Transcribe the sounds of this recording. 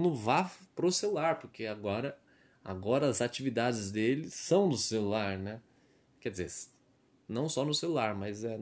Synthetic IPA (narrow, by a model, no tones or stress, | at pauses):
mʊvapɾoselulaɾpoɾkʰeaɡɔɾɐ | a̰ɡɔɾɐazat͡ʃivid̪ad͡ʒɪzd̪elɪsɐ̃w̃nʊselulaɾnɛ | kɛd͡ʒɪzes | nɐ̃w̃sɔnʊselulaɾmɐzɛ